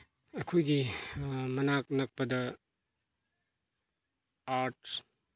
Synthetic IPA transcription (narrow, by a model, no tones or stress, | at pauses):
ɐkʰojɡi | mɐnak̚nɐk̚pɐdɐ | aɾt